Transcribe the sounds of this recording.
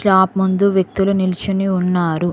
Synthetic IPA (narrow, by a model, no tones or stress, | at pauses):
ɭaːpmund̪uʋjek̚t̪ulunilit͡ʃuniunːaːɾu